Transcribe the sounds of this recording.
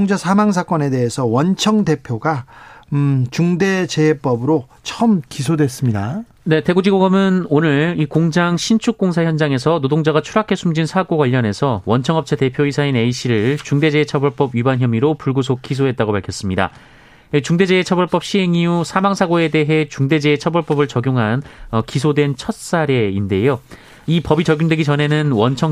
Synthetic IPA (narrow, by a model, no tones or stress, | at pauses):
ŋd͡ʑasʰamaŋs̬ʰak͈ʌne̞de̞ɦesʰʌwʌnt͡ɕʰʌŋde̞pʰjoɡa | t͡ɕuŋde̞t͡ɕep͈ʌbɯɾo | t͡ɕʰʌɯmkis̬ʰodwe̞s͈ɯmɲida | ne̞te̞ɡud͡ʑiɡoɡʌmɯnonɯɭikoŋd͡ʑaŋɕʰint͡ɕʰuk̚k͈oŋs̬ʰaçjʌnd͡ʑaŋe̞sʰʌnodoŋd͡ʑaɣat͡ɕʰuɾakʰe̞sʰumd͡ʑinsʰaɡoɡwaʎːʌne̞sʰʌwʌnt͡ɕʰʌŋʌp̚t͡ɕʰete̞pʰjoisʰaine̞iɕ͈iɾɯɭt͡ɕuŋde̞d͡ʑeːt͡ɕʰʌbʌɭp͈ʌbibançjʌmiɾopuɭɡus̬ʰok̚k͈isʰoɦe̞t̚t͈aɡopaɭkʰjʌs͈ɯmɲida̰ | it͡ɕuŋde̞d͡ʑe̞et͡ɕʰʌbʌɭp͈ʌp̚ɕ͈ʰiɦe̞ŋiusʰamaŋsʰaɡoe̞de̞ɦe̞t͡ɕuŋde̞d͡ʑe̞ːt͡ɕʰʌbʌɭp͈ʌbɯɭt͡ɕʌɡjoŋɦanʌkisʰodwe̞nt͡ɕʰʌt̚s͈aɾe̞inde̞jo | ipʌbit͡ɕʌɡjoŋdwe̞ɡit͡ɕʌnɦe̞nɯnwʌnt͡ɕʰʌŋ